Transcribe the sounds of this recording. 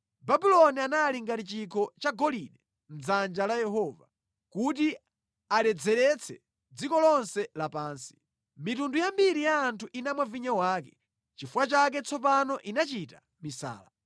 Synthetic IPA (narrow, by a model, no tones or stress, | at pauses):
babilɔnianaliŋɡatit͡ʃikʰɔt͡ʃaɡɔlinɛ | m̩zand͡ʒalajɛɦɔva | kut̬i | aɾɛd͡zɛɾɛt͡sʰɛ | d͡zikɔlɔnsɛlapaːnsi̥ | mitundujambiɾijaːntʰuʔinamwaviɲawaːkɛ̥ | t͡ʃifuwat͡ʃak̬ɛt͡sʰɔp̬anɔʔinat͡ʃita | misa̰ːla